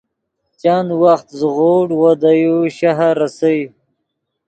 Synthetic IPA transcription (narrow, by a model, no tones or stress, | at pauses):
t͡ʃanwaxt̪zɣoɽwad̪ajuʃaɦaɾasawj